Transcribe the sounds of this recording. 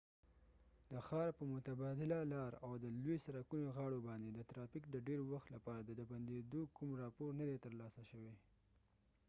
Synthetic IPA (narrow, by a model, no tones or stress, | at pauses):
d̪əxɑɾpəmʊt̪abɑd̪ɪlalɑɾawd̪əlwesaɾakunoɣɑɽobɑnd̪ed̪ət̪ɾɑfɪkd̪əɖeɾwaxt̪lapɑɾad̪əd̪aband̪ed̪okumɾɑpoɾnad̪et̪əɾlɑsaʃəwe